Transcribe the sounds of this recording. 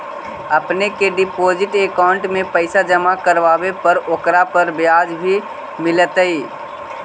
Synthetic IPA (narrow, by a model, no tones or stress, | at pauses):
ɐpnekeɖɪpoːd͡ʒɪʈeːkaːʊɳʈmẽpəɪsad͡ʒɐmakəɾʋaːwepɐɾoːkɾapəɾbjaːd͡ʒbʱi | mɪlət̪əiː